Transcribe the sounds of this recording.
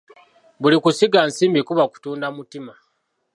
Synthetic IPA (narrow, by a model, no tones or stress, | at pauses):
βulikusiɡansiːmbikuβaku̥tuːndamutima